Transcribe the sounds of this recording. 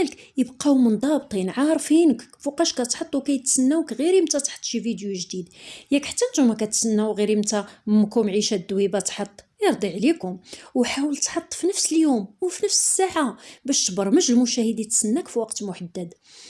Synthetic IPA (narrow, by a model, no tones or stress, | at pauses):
æləkjəbqɑmənd̪ˤɑbt̪ˤinʕɑɾˤfinəkfuqɑʃkæt̪ħɑt̪ˤːwkæjət̪sənːæwkɣiɾimt̪æt̪ħɑ̥t̪ːˤʃivid̪juʒd̪id̪jækħḁt̪ːænt̪umækæt̪sənːæwɣiɾimt̪æmkʊmʕiʃæd̪ːwibæt̪ħɑt̪ˤː | jəɾˤd̪ˤiʕlikʊmwħawəlt̪ħɑt̪ˤːfinəfsəljumwfinəfsə̥sːaʕabæʃt̪bəɾˤməʒmuʃæhəd̪it̪sənːækfiwɑqt̪mʊħad̪ːæd̪